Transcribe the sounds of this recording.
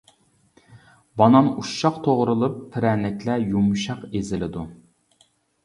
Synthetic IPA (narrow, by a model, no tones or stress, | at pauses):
bɑnɑnuʃːɑqt̪ʰoʁɾɨlˠɨpʰːɪɾɛnɛkʲlɛjumuʃɑqezɪlɪd̪u